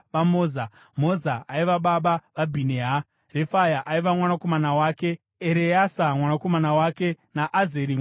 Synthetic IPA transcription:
ʋamoːza | mo̞zaaiʋaɓaɓaʋabʱineɦa | refajaʔaiʋamwanako̞manawaːke̞ | eɾejasamwanako̞manawake̞naʔazeɾi

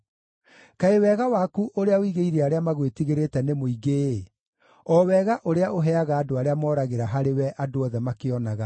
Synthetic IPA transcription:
kaewɛɣawaːkuʔoɾeaoiɣeiɾeaɾeamaɣwetiɣeɾetɛnemoiɡe | ɔwɛɣaʔoɾeaʔoɦɛaɣaːdoaɾeamɔːɾaɣeɾaɦaɾewɛʔadoɔðɛmakeɔnaɣa

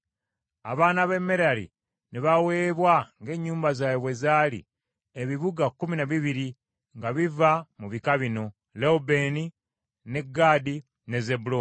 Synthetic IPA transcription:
a̰βaːnaβe̞mːe̞ɾalḭ | neβawe̞ːβwaŋɡe̞ɲːuːmbazaːjeβwe̞zaːlḭ | eβiβuɡakːuminaβiβiɾi | ŋɡaβivamuβikaβino̞ | leubeni | ne̞ɡaːdi | ne̞ze̞bulo

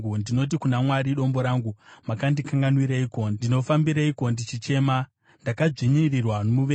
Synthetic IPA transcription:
undino̞t̬ikunamwaɾiɗo̞mbo̞ɾaːŋɡumakandikaŋɡanwiɾaiko̞ndiino̞fambiɾaiko̞ndit͡ʃit͡ʃe̞ːma | ndakad͡ʐiɲirirwanomuʋe

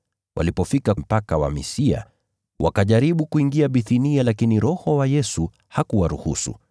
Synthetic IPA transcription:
wʔa̰lipɔfikam̩pakawa̰mḭsia̰ | wʔa̰kaʄaɾiɓukuiŋɡiaɓiθinialakiniɾɔhɔwajɛsu | hakuwaɾuhusṵ

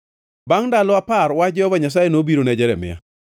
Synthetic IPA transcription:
baŋdalɔapaɾwad͡ʒɔvaɲas̬ajenobiɾonɛd͡ʒɛɾɛmɪ̰a̰

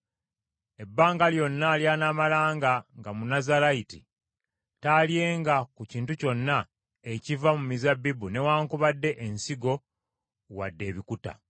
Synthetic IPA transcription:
e̞bːaːŋɡaljo̞nːaljanaːmalaːŋɡaŋɡamunazalaitḭ | taːlje̞ːŋɡakuciːntuco̞nːa | ecivamumizabːibune̞waːŋkuβadːe̞ʔensiɡo̞ | wa̰dːe̞ːβikuta̰

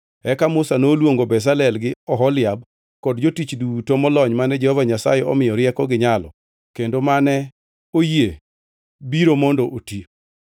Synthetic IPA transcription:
ɛkamʊsanoːlwoŋɡobɛs̬alɛlɡɪɔɦɔlɪjab̚ | kɔdd͡ʒotit͡ʃdutomɔlɔɲmanɛd͡ʒɛhɔvaɲasa̰jɛɔ̰mɪjɔɾɪɛkɔɡɪɲalɔ̰ | kendomanɛ | oje | biɾomɔndɔʔoti

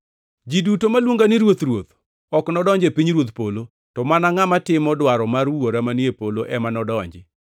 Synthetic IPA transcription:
d͡ʒidutomalwoŋɡanɪɾwot̪ɾwot̪ | ɔknɔdɔɲd͡ʒepiɲɾwot̪polo | tɔmanaŋamatɪmɔdwaɾɔmarwoɾamanjepoloʔɛmanɔdɔɲd͡ʒɪ

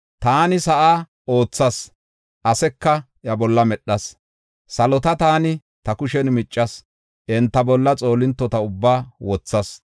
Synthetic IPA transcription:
t̪aːnɪsɐʔaː | o̞ːt͡sːɐs | ʔɐsɛkːɐ | jɐbɔlːɐmɛɗɐs | sɐlɔt̪ɐt̪aːnɪ | t̪ɐkʊʃɛnmɪt͡ʃʼːɐs | ʔɛnt̪ːɐbɔlːɐt͡sʼo̞ːlɪnt̪ːɔt̪ɐʊbːaːwɔt͡sːɐs

